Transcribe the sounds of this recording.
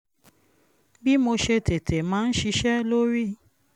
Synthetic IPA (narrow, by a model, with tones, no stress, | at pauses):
bi˦mo˧ʃe˧te˨tʰe˨mãː˦n̩˦ʃi˧ʃɛ˦lo˦ɾi˦